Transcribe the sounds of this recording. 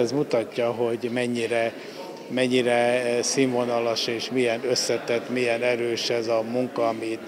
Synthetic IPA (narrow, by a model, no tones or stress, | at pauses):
zmut̪ɒcːɒɦo̞ɟmɛɲːiɾɛ | mɛɲːiɾɛsiɱvonɒlɒʃeːʃmijɛnøsːɛt̪ɛt̪ːmijɛnɛɾøːʃɛzɒmuŋkɒːmi